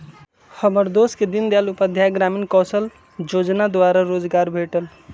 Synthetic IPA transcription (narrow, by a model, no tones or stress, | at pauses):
həməɾd̪osked̪ind̪jalupəd̪ʱjaɡɾaminkɔsəl | d͡ʒod͡ʒnad̪waɾaɾod͡ʒɡaɾbʱeʈəl